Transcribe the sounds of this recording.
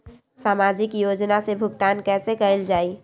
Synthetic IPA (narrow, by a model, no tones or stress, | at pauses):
saːmaːd͡ʒɪkjoːd͡ʒnasebʱʊɡt̪aːnkɛːsekəɪld͡ʒaːiː